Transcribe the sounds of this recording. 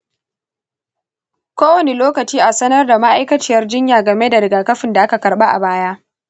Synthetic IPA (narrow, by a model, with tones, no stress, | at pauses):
kʷoː˦wɐ˨ne˨loː˦kɐ˨t͡ʃiː˦ʔa˨sɐ˦nɐ˦rda˨ma˦ʔa˦jkɐ˦t͡ʃɪ˦˨jɐ˦rd͡ʒɪ˦ɲjaː˨ɡɐ˨me˦da˨ɾɪ˨ɡaː˨kɐ˦ɸɪ˨nda˨ʔa˦ka˨kɐ˨rɓa˦ʔa̰˨baː˦ja˦ʔ